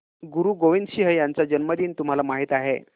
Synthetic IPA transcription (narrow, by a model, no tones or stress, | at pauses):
ɡuɾuːɡoʋind̪ɕiɦəjant͡sad͡ʑənməd̪iːnt̪um̤alamaɦiːt̪aɦḛ